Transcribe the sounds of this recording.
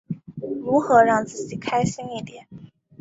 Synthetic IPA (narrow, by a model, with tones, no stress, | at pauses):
ɻu˧˥xɤ˧˥ɻɑ˥˧ŋt͡sɹ̩˥˩t͡ɕi˨˩kʰa˥ɪɕi˥ŋi˥˩t̪jɛ˨˦n